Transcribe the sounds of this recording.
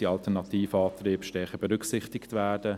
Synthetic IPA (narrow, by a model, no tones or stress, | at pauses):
iɑltɛɾnɑt̪ʰiːfəɑːt̪riːbʃtɛɾχəbɛɾʏksɪχtɪktvɛːdə